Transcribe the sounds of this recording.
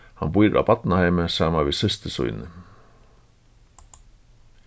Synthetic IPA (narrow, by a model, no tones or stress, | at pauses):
ha̰nbujɾʔa̰bat̪nahejməsaːmavɪðsɪst̪ɪsṵʏnɪ